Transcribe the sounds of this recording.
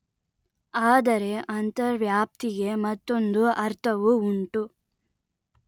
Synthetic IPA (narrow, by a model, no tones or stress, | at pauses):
aːd̪ɐɾe̞ʔɐnt̪ɐɾʋjaːp̚t̪iɡe̞mɐt̪ːo̞nd̪uɐɾt̪ʰɐʋuuɳʈu